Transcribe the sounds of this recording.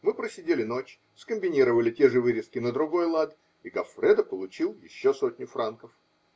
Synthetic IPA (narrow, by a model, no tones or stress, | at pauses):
mɨpɾəsʲɪdʲelʲɪno̞t͡ɕ | skəmʲbʲɪnʲiɾəvəlʲɪtʲeʐɨvɨɾʲɪskʲɪnəd̪ɾʊɡo̞jlˠat̪ | iɡɐfɾɛd̪əpəlˠʊt͡ɕilˠjɪ̰ɕːosotʲnʲʊfɾankəf